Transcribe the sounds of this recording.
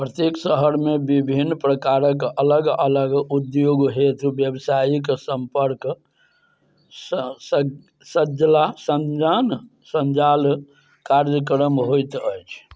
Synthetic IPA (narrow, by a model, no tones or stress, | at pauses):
pɾət̪eksəɦəɾmebibʱinːpɾəkaɾəkələɡələɡud̪joɡɦet̪ʰbjəbsajiksəmpəɾk | səd͡ʒlasənd͡ʒan | sənd͡ʒal | kaɾd͡ʒəkɾəmɦojt̪əjt͡ʃʰ